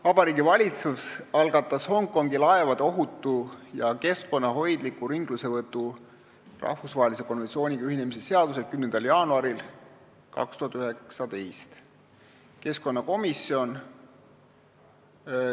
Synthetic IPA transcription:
vɑb̥ɑɾiːɡivɑlʲit̪susɑlɡ̥ɑt̪ːˑɑsho̞ŋkˑːo̞ŋɡilɑevɑd̪̥o̞ɦut̪ːˑujɑke̞sko̞nːɑɦo̞jd̪likːˑuɾiŋɡ̥luse̞vɤt̪ːˑu | rɑ̰hfusvɑɦelise̞ko̞nvent̪sio̞ːniɡɑyhine̞misese̞ɑd̪use̞lkymnend̪ɑljɑːnuɑɾil | kɑ̰kst̪uhɑt̪ːˑyeksɑd̪ejst̪ | ke̞sko̞nːɑko̞misio̞n

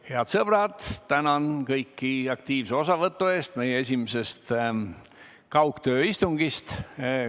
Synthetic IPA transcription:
he̞ɑt̪sɤb̥rɑd̪̥t̪ænɑnkɤjkːiɑk̚t̪iːvseo̞sɑvɤt̪ːˑue̞ːst̪me̞jee̞s̬ʲimese̞st̪ | kɑwkt̪ø̞ːist̪uŋɡ̥ist̪

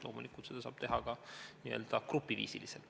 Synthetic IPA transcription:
lo̞ːmulikˑult̪sed̪ɑsɑ̰ːb̥̚t̪e̞ɦɑɡɑniø̞ːld̪̥ɑkrupːˑivḭːsilisel

